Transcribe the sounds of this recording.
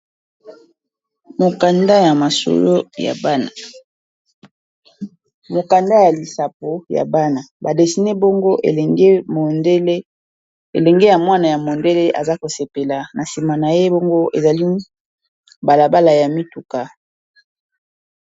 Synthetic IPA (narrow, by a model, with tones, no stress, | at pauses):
mo˨ka˨nda˦ja˨ma˨so̰˦lo˦ja̰˨ba˦na˨ | mo˨ka˨nda˦ja˨li˨sa˨p̚o˨ja̰˨ba˦na˨ba˨de˨si˨ne˦bo˦ŋɡo˦ʔḛ˨lŋe˦mo˨nde˦le˦ | ḛ˨lɛ˨ŋɡe˦ja˨mwa˦na˨ja˨mo˨nde˦le˦ʔa̰˨za˦ko˨se˨pe˨la˨na˨si˨ma˨na˨je˦bo˦ŋɡo˦ʔe˨za˨li˦ | ba˨la˨ba˦la˨ja˨mi˦tu˨ka˨